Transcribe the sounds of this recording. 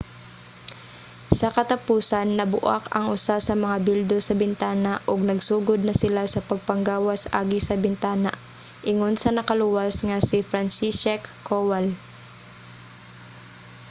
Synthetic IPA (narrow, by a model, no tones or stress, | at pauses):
sɐkɐt̪ɐpuːsɐnːɐbʊʔa̰kɐ̰ŋʔʊsasɐmɐŋabild̪o̞sɐbɪnt̪aːnaʔoɡ̚nɐɡsuːɡod̪̚nɐsɪlasɐpɐɡ̚pɐŋɡaːwɐsʔaːɡɪsɐbɪnt̪aːna̰ʔ | ʔɪŋonsɐnɐkɐluwɐsŋɐsɪfɾansisɛkːowal